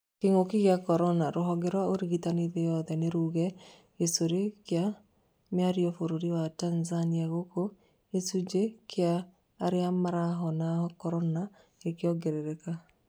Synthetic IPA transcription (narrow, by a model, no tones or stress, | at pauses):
keŋokiɣjakɔɾɔnaɾoɦɔɡɛɾwaoɾiɣitaneðejɔðɛneɾuɣɛ | esoɾekja | mjaɾiɔfoɾoɾiwatanzaniaɣoko | esud͡ʒekʰeaː | ɾeamaɾaɦɔnaɔkɔɾɔna | ekjɔɡeɾeɾɛka